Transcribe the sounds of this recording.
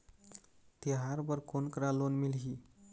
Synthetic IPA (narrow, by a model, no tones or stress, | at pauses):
t̪iɦaɾbəɾkonkɾalonmilɦi